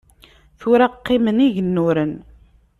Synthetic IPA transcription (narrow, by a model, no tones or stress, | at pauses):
θʊɾaqːiməniʝənːʊɾən